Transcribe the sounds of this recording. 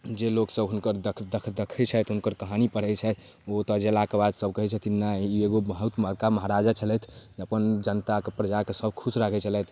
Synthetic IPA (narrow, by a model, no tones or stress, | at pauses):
d͡ʒeloksəbɦunkəɾd̪əkʰd̪əkʰd̪ekʰɛt͡ʃʰɛt̪ʰɦunkəɾkəɦanipəɽ̤ɛt͡ʃʰɛt̪ʰ | ot̪əd͡ʒelakebad̪səb̚kəɦɛt͡ʃʰɛt̪ʰinaieɡobəɦut̪məɾkaməɦaɾad͡ʒat͡ʃʰəlɛt̪ʰd͡ʒeəpənd͡ʒənt̪akepɾəd͡ʒakesəbkʰusɾakʰɛt͡ʃʰəlɛt̪ʰ